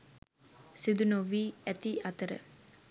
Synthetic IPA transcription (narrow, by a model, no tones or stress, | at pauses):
sid̪unoʋiːæt̪iʔɐt̪əɾə̰